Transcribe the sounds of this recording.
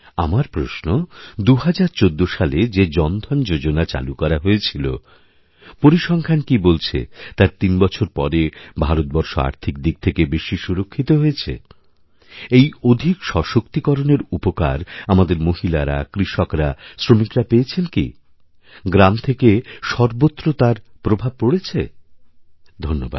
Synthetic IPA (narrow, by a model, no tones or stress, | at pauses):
amaɾpɾoʃnod̪uɦad͡ʑaɾt͡ɕod̪ːoʃaled͡ʑed͡ʑɔnd̪ʱɔnd͡ʑod͡ʑonat͡ɕa̰lukɔɾaɦoet͡ɕʰilo̰ | poɾiʃɔŋkʰankibolt͡ɕʰḛt̪aɾt̪inbɔt͡ɕʰoɾpɔɾebʱaɾot̪̚bɔɾʃoa̰ɾt̪ʰik̚d̪ik̚t̪ʰekebeʃiʃuɾokʰːit̪oɦojet͡ɕʰḛ | ejod̪ʱikʃɔʃokt̪ikɔɾoneɾupoka̰ɾamad̪eɾmoɦilaɾa̰kɾiʃɔkɾasɾomikɾapeːt͡ɕʰenki | ɡɾamt̪ʰekeʃɔɾbot̪ːɾot̪aɾpɾobʱab̚poɽet͡ɕʰe | d̪ʱonːoba̰d̪̚